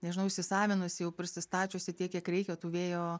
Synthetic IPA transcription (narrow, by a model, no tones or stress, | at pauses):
nʲɛʒʲɪnɐʊɪʃʲsʲɪsɑːʋʲɪnʊsʲɪjɛʊpʲɾʲɪsʲɪst̪ɑːt͡ʃʲoːsʲɪt̪ʲiɛkʲiɛkɾʲɛɪkʲɛt̪uːʋʲeːjoː